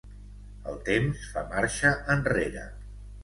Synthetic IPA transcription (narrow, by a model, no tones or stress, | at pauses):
əlˠt̪emsfamaɾʃəʔənreɾə̰